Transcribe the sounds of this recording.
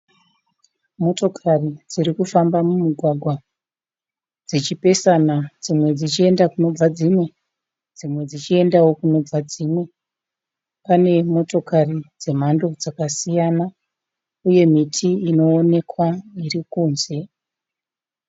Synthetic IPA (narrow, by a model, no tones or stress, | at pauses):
mo̞to̞kʰarid͡zirikufambamumuɡʱwaɡʱwa | d͡zit͡ʃipe̞sanad͡zimwe̞d͡zit͡ʃie̞ndakuno̞b͡vad͡zimwe̞ | d͡zimwe̞d͡zit͡ʃie̞ndawo̞kuno̞b͡vad͡zimwe̞ | pane̞mo̞to̞karid͡ze̞m̤ando̞d͡zakasijana | uje̞mitʰiːno̞ːne̞kwairikuːnze̞